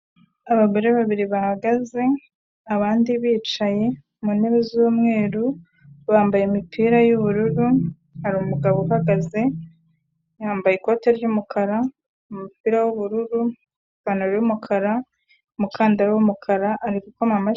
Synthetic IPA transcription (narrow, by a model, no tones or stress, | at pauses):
aβaɡo̞ɾe̞βaβiɾiβahaɡaze̞ | aβaːndiβiːt͡ʃaje̞ | muneβezuːmŋe̞ːɾu | βaːmbajemipʰiːɾajuβuɾuɾu | haɾuumuɡaβohaɡaze̞ | jaːmbajeko̞ːte̞ɾɟumukʰaɾa | umupiːɾawuβuɾuɾu | βanoɾjumukʰaɾa | umukʰaːndaɾawumukʰaɾaʔːɾikukamama